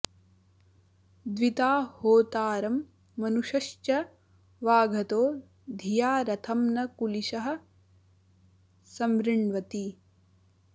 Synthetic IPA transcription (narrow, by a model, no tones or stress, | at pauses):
d̪ʋit̪aːhoːt̪aːɾɐmː | ɐnuʂɐʃt͡ʃɐ | ʋaːɡʱɐt̪oː | d̪ʱijaːɾɐt̪ʰɐmnɐkuliʃɐɦɐ̆ | sɐmɾiɳʋɐt̪i